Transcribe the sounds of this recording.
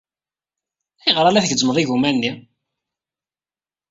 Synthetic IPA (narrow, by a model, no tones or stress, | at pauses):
æjʁəɾˤælæθɡəd͡zməðˤiʝumænːi